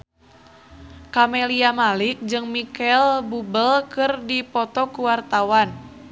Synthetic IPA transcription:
kameliamalik̚d͡ʒɨŋmikɛlbubəlkɨrdipɔt̪ɔkuwart̪awan

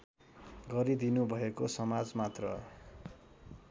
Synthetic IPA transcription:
ɡʌɾid̪inubʱʌekosʌmad͡zmat̪rʌ

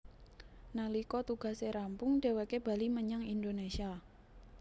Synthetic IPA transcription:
nalikɔt̪uɡ̥a̤seɾampʊŋɖ̥e̤wekeba̤liməɲaŋindonesia

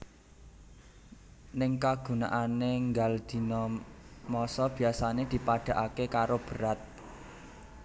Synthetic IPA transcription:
nɪŋkaɡ̥ṳna̰ʔaneŋɡald̪̥i̤nɔmɔsɔb̥i̤asaned̪̥i̤paɖ̥a̤ʔakekaɾob̥ə̤ɾat̪̚

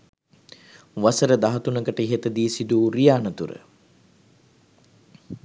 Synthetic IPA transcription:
ʋasəɾəd̪aɦɐt̪unəkəʈəiɦet̪əd̪iːsid̪uːɾijaːnət̪uɾə̰

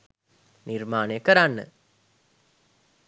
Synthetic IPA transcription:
nirmaːnəjəkəɾanːə̰

